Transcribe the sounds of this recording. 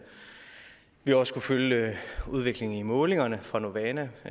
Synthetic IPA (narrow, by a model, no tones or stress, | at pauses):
ʋiɒ̽skuføljəuð̞ˠʋe̝ɡ̥le̝ŋn̩imɔ̽ːle̝ŋɐnəfʁɑ̈no̝ʋɛnæ